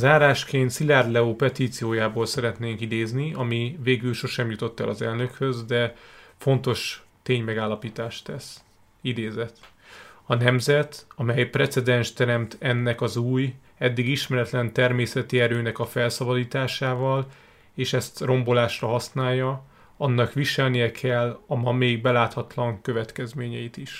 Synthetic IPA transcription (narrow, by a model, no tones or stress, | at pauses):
zaːɾaːʃkeːnt̪silaːrlɛoːpɛt̪iːt̪sijoːjaːboːlsɛɾɛt̪neːŋkid̪eːzniɒmiveːɡylʃo̞ʃɛmjut̪o̞t̪ːɛ̰lʔɒzɛ̰lnø̞khø̞zd̪ɛfo̞nt̪o̞ʃ | t̪eːɲmɛɡaːlːɒpiːt̪aːʃt̪ɛs | id̪eːzɛt̪ | ɒnɛmzɛt̪ɒmɛjprɛt̪sɛd̪ɛnʃt̪ɛɾɛmt̪ɛnːɛkɒzuːj | ɛd̪ːiɡiʃmɛɾɛt̪lɛnt̪ɛrmeːsɛt̪iɛɾøːnɛkɒfɛlsɒbɒd̪iːt̪aːʃaːvɒl | eːʃɛst̪ro̞mbo̞laːʃrɒɦɒsnaːjːɒ | ɒnːɒkʋiʃɛlnijɛkʰɛlːɒmɒmeːɡ̚bɛlaːt̪hɒt̪lɒŋkøvɛt̪kɛzmeːɲɛjit̪iʃ